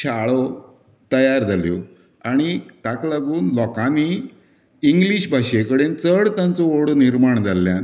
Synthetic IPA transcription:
ɕaɭɔ | t̪əjaɾd͡zʱaljɔ | aɽ̃it̪aklaɡuːnlɔkãniː | ŋɡliɕbʱaɕekəɽent͡səɽt̪jãnt͡sɔoɽniɾmaɳd͡zʱalːjãn

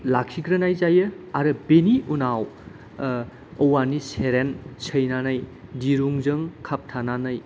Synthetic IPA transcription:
lakʰiɡɾɐnajzajɯaɾɯbeniʔunaw | ɐwaniseɾensʰəjnanajdiɾuŋzɯŋkʰap̚tʰananaj

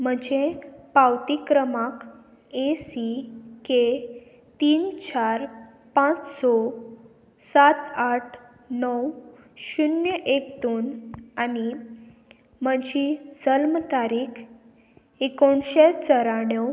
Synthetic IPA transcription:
m̤əd͡ʑepawt̪ikɾəmak | esike | t̪iːnt͡ɕaɾ | pãt͡ssɔ | sat̪aʈʰ | nəw | ɕunjəʔekt̪onani | m̤əd͡ʑid͡zəlmt̪aɾiːkʰ | ekoɳɕet͡səɾaɽə

